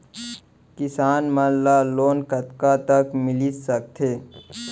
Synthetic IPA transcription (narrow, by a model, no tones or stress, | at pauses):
kɪsaːnməlaloːnkət̪kat̪əkmɪlit̪sək̚t̪ʰeː